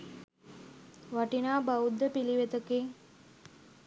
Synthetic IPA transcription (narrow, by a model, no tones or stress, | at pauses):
ʋaʈinaːbaud̪ːəpiliʋet̪əkeː